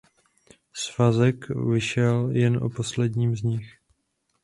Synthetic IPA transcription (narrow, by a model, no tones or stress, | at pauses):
svazɛkvɪʃɛljɛnʔo̰po̞slɛdɲiːmzɲɪx